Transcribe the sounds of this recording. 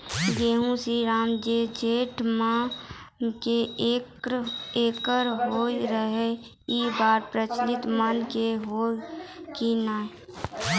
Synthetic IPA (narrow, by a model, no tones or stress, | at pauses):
ɡeːɦũsiɾaːmd͡ʒed͡ʒeːʈmã | ke | eːkəɾɦoːiɾəɦe | iːbaːɾpɾət͡ʃlɪt̪mənkeɦoːkinaː